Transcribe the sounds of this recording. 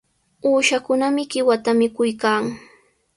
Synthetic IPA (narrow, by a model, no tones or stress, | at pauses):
uːʃakʊnamɪɢɪwat̪amɪkʊjkaːŋ